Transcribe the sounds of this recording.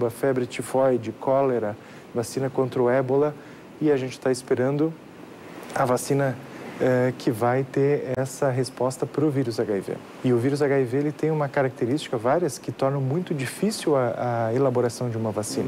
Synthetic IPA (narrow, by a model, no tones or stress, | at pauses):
bɐfɛbɾɪt͡ʃɪfɔjd͡ʒɪkʰɔleɾɐ | vasĩnɐkõnt̪ɾɐʊɛbolɐ | ɪaʒẽnt͡ʃɪ̥t̪aɪspeɾɐ̃nd̪ʊ | ɐvasĩnɐɛkʰɪvajt̪eɾɛsɐɦespɔst̪ɐpɾʊviɾʊzaɡaivḛ | ɪʊviɾʊz̬aɡaiveelɪt̪ẽj̃ũmɐkaɾak̚t̪eɾist͡ʃi̥kɐvaɾjɐskɪt̪ɔɾnɐ̃w̃mũj̃t̪ʊd͡ʒifisiwɐɐelaboɾasɐ̃w̃d͡ʒɪũmɐvasĩnɐ